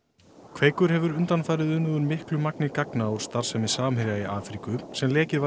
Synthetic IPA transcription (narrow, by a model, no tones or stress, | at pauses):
kʰveːjkʏɾ̥hɛvʏɾʏnt̪anfaːjɾɪðʏnʏðʏɾmɪhklʏmaknɪkaknaawɾ̥st̪aɾ̥sɛmɪsaːmhɪɾjaiaːfɾikʏsɛmlɛːcɪva